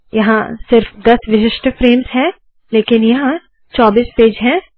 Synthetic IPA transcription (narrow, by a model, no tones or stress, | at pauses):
jɐɦã̰sɪɾfd̪ɐsʋɪʃɪʃʈfɾeːmzɦɛ̃ | leːkɪnjɐɦã | t͡ʃɔːbiːspeːd͡ʒɦɛ̃ː